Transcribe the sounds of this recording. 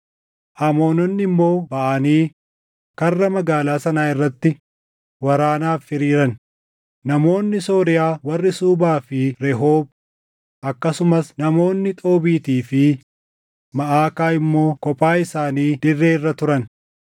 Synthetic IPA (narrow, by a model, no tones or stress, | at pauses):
ʔɐmo̞ːnɔnːɪmːo̞ːbɐʔɐniː | kɐrːɐmɐɡaːlaːsɐnaːɪrːɐt̪ːɪ | wɐɾaːnaːfːɪɾiːɾɐn | nɐmo̞ːnːɪso̞ːɾɪjaːwɐrːɪsuːbaːfɪɾɛɦo̞ːb | ʔɐkːɐsʊmɐsnɐmo̞ːnːɪt̪ʼo̞ːbiːt̪iːfɪ | mɐʔaːkaːɪmːo̞ːkɔpʼaːɪsaːniːd̪̥ɪrːe̞ːɪrːɐt̪ʊɾɐn